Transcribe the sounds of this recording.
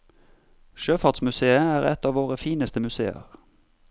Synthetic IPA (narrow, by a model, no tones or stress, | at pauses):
ʃøːfɑːʁt̪smʉseːəæːʁɛ̰t̪ɑːʋoːʁəfiːnəst̪əmʉsḛːə̰ʁ